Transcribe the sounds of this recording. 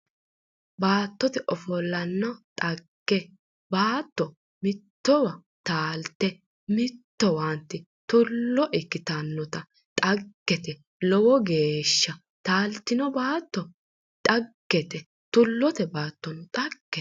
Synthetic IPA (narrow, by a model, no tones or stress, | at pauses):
baːt̪ːɔt̪ɛʔɔfɔlːɐnːɐt̪ʼɐɡ̥ːɛ | baːt̪ːɔ | mɪt̪ːɔwɐ | t̪aːlt̪ːɛ | mɪt̪ːɔwant̪ːɪ | t̪ʊlːɔʔɪkːɪt̪ɐnːɔt̪ɐ | t̪ʼɐɡ̥ːɛt̪ɛ | lɔwɔɡeːʃːɐ | t̪aːlt̪ːɪnɔbaːt̪ːɔ | t̪ʼɐɡ̥ːɛt̪ɛ | t̪ʊlːɔt̪ɛbaːt̪ːɔnʊt̪ʼɐɡ̥ːɛ